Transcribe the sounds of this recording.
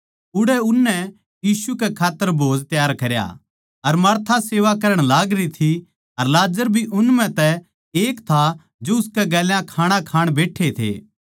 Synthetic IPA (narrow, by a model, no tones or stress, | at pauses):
ʊɽɛʊnːɛ | jiːsukekʰaːt̪ːəɾbʱoːd͡ʒt̪jaːɾkɐɾja̰ | ɐɾmɐɾt̪ʰaseːʋakɐɾəɽ̃laːɡɾit̪ʰi | ɐɾlaːd͡ʒəɾbʱiʔʊnmɛ̃t̪ɛ | eːkt̪ʰa | d͡ʒoʊskɛɡɛːljãkʰaːɽ̃akʰaːɽ̃beːʈʰet̪ʰḛː